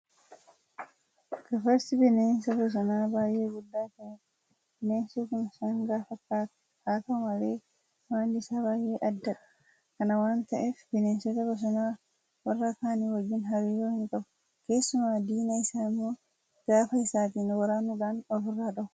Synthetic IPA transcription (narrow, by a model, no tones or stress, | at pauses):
kɐfɐɾsɪbɛneːnsɐbɔs̬ɔnaːbaːjeːɡʊd̪ːaːkɐn | neːnsikʊnsaŋɡaːfɐkːaːt̪ɐ̥ | kaːt̪ɐmɐleː | maːnd̪ɪsabaːjeːʔɐdːɐɗɐ̥ | kɐnɐwaːnt̪ɐʔɛfbɛneːnsɛt̪ɐbɔs̬ɔnaː | wɐrːakaːniwɐɡːɪnɦɐɾiːɾoːhiŋkʼɐbʊ | keːsːʊmaːd̪iːnɐɪsaːmːɔː | ɡ̥aːfɐɪsaːt̪inɔwɐɾaːnuɗanɔfʊrːaːɗɐw